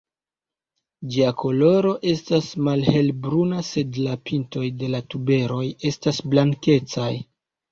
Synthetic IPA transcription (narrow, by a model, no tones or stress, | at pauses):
d͡ʒiakʰo̞lo̞ɾo̞ʔe̞stasmalhe̞lbɾunase̞dlapinto̞jde̞latube̞ɾo̞je̞stasblaŋke̞t͡saj